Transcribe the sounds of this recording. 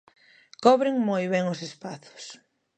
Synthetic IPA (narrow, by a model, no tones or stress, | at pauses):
kɔβɾɪŋmɔjβɛŋʊsespaθʊ̥s